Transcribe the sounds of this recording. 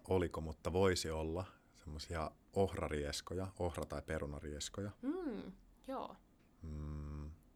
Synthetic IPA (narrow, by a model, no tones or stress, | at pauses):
olikomut̪ːɑʋoisiolːɑ | semːosiɑ | ohrɑ̰rieskojɑohrɑt̪ɑipeɾunɑrieskojɑm̩ː | joː | m̩